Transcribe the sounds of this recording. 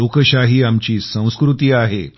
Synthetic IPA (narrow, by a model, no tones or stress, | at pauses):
okəɕaɦiːamt͡ɕiːsə̃w̃skɾut̪iːaɦe